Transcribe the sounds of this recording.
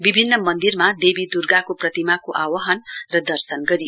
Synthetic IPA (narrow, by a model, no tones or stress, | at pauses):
bibʱinːʌmʌnd̪irmad̪ebid̪urɡakoprʌt̪imakoʔawʌɦʌnrʌd̪ʌrsʌnɡʌɾi